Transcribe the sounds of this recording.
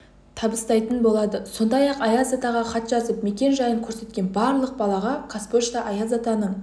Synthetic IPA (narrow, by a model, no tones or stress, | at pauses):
t̪ʰɑbəst̪ɑjt̪ənbo̞lˠɑd̪əso̞nd̪ɑjɑqɑjazat̪ɑʁɑχɑt̪ʒɑzəpme̞kʲe̞nʒɑjəŋkʲʰɵɾse̞t̪̚kʲe̞nbɑɾlˠəq̚bɑlˠɑʁɑkʰaspoʃt̪ɑʔɑjazat̪ɑnəɴ